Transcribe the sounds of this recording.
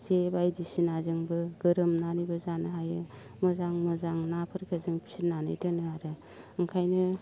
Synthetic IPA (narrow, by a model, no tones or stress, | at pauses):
zebajdisinazɯŋbɯɡɯɾɯmnanibɯzanɯɦajɯ | mɯzaŋmɯzaŋnapʰɯɾkʰɯzɯŋpʰi̥sit̚nanɯ̰jtɯnɯaɾɯ | ɯŋkʰajnɯ